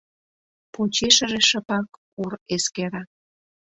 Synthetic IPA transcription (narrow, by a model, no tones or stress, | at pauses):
pot͡ɕeʃə̆ʒeʃə̆pɑk | ureskeɾɑ